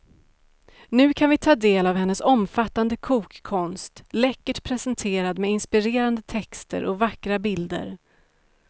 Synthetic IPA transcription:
nʉ̟ːkʰanvɪt̪ʰɑːd̪eːlavɦɛnːəsɔmfat̪ːand̪əkʰuːkʰːɔnst̪lɛkːəʈpʰɾɛsɛnt̪ʰeːɾad̪mɛɪnspɪɾeːɾand̪ət̪ʰɛkst̪ə̰ɾʔɔvakːɾabɪld̪ə̰ɾ

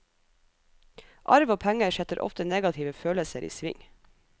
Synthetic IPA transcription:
ʔɑɾʋoːpʰæŋəʃɛt̪əɾʔɔ̰ft̪əneːɡɑt̪ʰɪːʋəføːləsəɾʔḭːsʋɪ̰ŋ

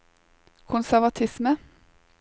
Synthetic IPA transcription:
kʰʊnsæʁʋɑt̪ʰɪsmə

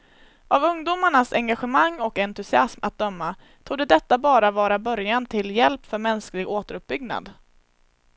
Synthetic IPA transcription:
ʔavɵŋd̪uːmaɳasɛŋɡaɧɛmaŋːɔkɛnt̪ɵsɪasma̰t̪̚d̪œmːa | t̪ʰuːd̪ɛd̪ɛt̪ːabɑːɾavɑːɾabœɾjant̪ʰɪljɛlpfœɾmɛnsklɪɡoːt̪əɾɵp̚bʏɡna̰d̪

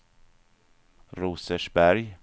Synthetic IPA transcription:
ɾuːsəʃbæɾj

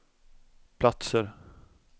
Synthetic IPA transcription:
pʰlat̪səɾ

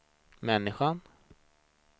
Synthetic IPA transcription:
mɛnːɪɧan

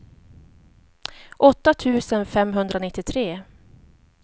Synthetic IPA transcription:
ʔɔt̪ːat̪ʰʉ̟ːsənfɛmɦɵnd̪ɾanɪt̪ːɪt̪ʰɾeː

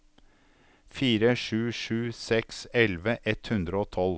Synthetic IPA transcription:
fiːɾəʂʉːʂʉːsɛksɛlʋəʔɛt̪hʉnd̪ɾəoːt̪ʰɔl

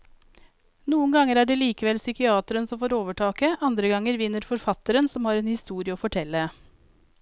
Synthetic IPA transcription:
nuːənɡɑŋəɾæːɖeːliːkəʋɛlsʏkɪɑːt̪əɾənsɔmfoːɾoːʋəʈʰɑːkəʔɑnd̪ɾəɡɑŋːəɾʋɪnːəɾfɔɾfɑt̪əɾənsɔmhɑːɾeːnhɪst̪uːɾɪəoːfɔʈʰɛlːə

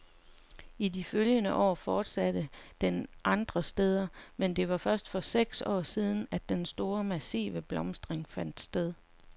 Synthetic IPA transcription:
idiføljənəʔɒ̰ːfɒːd̥sæd̥əd̥enʔɑ̈nd̥ʁɐsd̥eð̞ˠɐmend̥e̝ʋɑ̈fɶɐsd̥fɒ̽seɡ̥sɒ̰ːsiːð̞ˠn̩æd̥ːensd̥o̝ːɐmæsḭːʋəb̥lɒ̽msd̥ʁeŋfæn̰d̥sd̥eð̞ˠ

